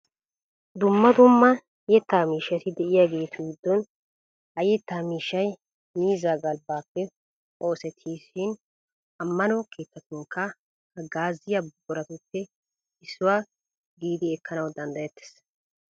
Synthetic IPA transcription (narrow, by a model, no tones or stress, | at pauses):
d̪ʊmːɐd̪ʊmːɐ | jɛt̪ːaːmiːʃːɐt̪ɪd̪ɛʔɪjaːɡe̞ːt̪ʰʊɡɪd̪ːɔn | hɐjɛt̪ːaːmiːʃːɐj | miːzaːɡɐlbaːpːɛ | o̞ːsɛt̪ʰːiːʃɪn | ɐmːɐnɔkʰe̞ːt̪ːɐt̪ʊŋkʰːɐ | hɐɡaːzːɪjabbɔɾɐt̪ʊtːɛ | ɪsːʊwaː | ɡiːd̪ɪɛkːɐnɐwd̪ɐnd̪ɐjɛt̪ːe̥s